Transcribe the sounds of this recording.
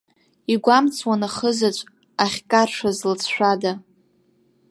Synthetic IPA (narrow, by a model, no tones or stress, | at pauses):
iɡʷamt͡sʰʼwanaχəzat͡ʃʷʼ | aχʲkʼarʂazlt͡sʰʃʷᶣada